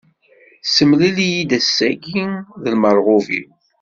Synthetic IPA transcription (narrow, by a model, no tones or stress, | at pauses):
səmlilijid̪æsːæɡiðəlməɾˤʁovḭw